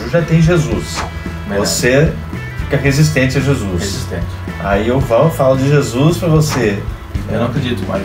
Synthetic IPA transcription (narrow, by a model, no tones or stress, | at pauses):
ʒat̪ẽj̃ʒezus | vose | fikɐɦezis̬t̪ẽt͡ʃɪɐʒezuseist̪ḛ̃t͡ʃɪ̥ | a̰iewvɐ̃wfalʊd͡ʒɪʒezuspɾɐvose | ḛwnɐ̃w̃ɐkɾed͡ʒit̪ʊma̰